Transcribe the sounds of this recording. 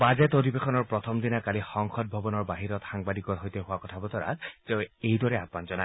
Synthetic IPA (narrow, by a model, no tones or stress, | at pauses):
bazetodibexɔnɔɹpɹɔtʰɔmdinakalixɔŋxɔt̚bʱɔbɔnɔɹbaɦiɹɔtxaŋbadikɔɹɦɔjtɛɦʊwakɔtʰabɔtɔɹa̰teʊejdɔɹɛat̚manzɔna